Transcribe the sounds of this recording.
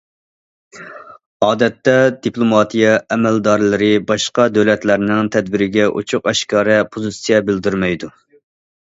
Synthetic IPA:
ɑːd̪ɛt̪ːɛd̪iplˠomɑt̪ʰijɛɛmɛld̪ɑɾlˠɨɾɨbɑʃqɑd̪øwlɛt̪læɾnɪŋt̪ʰɛd̪̚bɪɾɪɡʲɛʔo̰t͡ʃʰʊqɛʃkɑːɾɛpʰozɨsijɛbɪld̪yɾmɛjd̪u

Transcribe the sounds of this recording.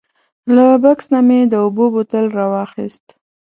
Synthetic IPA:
labaksnamed̪əobobot̪əlɾɑwɑxist̪

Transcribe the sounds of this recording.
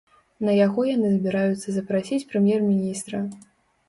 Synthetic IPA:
nɐjaɣɔjanɨzbʲiɾajut̪sːɐzɐpɾasʲit͡sʲpɾɨmʲjɛrmʲinʲist̪ɾɐ

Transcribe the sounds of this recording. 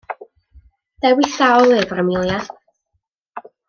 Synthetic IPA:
d̥ɛwɪθaɔlˠɛvrəmɪlˠja

